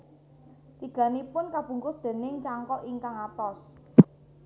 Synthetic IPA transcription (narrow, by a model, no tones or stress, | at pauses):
t̪iɡ̥ä̤nipʊnkab̥ṳŋkʊsd̪̥e̤nɪŋt͡ʃaŋkɔʔiŋkaŋat̪ɔs